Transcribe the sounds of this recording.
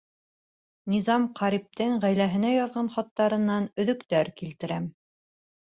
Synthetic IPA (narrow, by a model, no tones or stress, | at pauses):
nʲizɑmqɑɾip̚t̪ɘŋʁæjlæɦɘ̆næjɑðʁɑnχɑt̪ːɑɾɤ̆nːɑnɵ̆ðɵ̆kt̪æɾkilt̪ɘ̆ɾæm